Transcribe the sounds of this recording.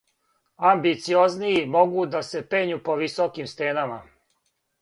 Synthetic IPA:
ambit̪sio̞zniimo̞ɡud̪ase̞peːɲupo̞ʋisokimst̪eːnama̰

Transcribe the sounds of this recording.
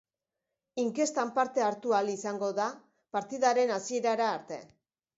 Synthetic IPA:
iŋke̞st̪ampaɾt̪e̞aɾt̪ualisaŋɡo̞ða | paɾt̪iðaɾe̞nasie̞ɾaɾaːɾt̪e̞̰

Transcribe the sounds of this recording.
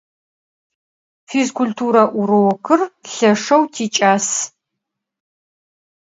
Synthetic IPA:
fizkʰʷultʰuːɾɐʔʊɾɨwɔkʰɨrɬɐʂɐwtʰiːt͡ʃʼaːs

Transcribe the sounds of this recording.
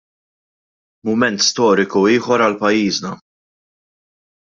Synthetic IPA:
mʊmɛnt̪st̪ɔːɾɪkuiːħɔɾɐlpɐjːiːznɐ

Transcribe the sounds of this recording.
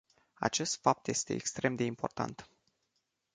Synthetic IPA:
a̰t͡ʃe̞st̪fap̚t̪je̞st̪e̞̰ːkst̪ɾe̞md̪e̞impo̞rt̪a̰nt̪

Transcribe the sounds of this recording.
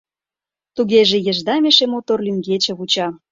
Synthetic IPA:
t̪uɣeʒĕjə̆ʒd̪ɑmeʃemot̪orlʲyŋɡet͡ɕĕβut͡ɕɑ

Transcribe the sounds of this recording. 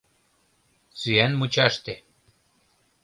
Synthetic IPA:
t͡syænmut͡ɕɑʃt̪e

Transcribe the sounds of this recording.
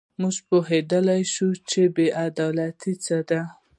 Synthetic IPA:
muʒpoɦed̪əlajʃut͡ʃebeʔad̪ɑlat̪it͡səd̪a

